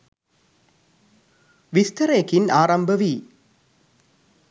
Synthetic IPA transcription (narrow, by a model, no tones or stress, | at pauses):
ʋist̪ɐɾejːkinaːɾɐmbʱɐʋi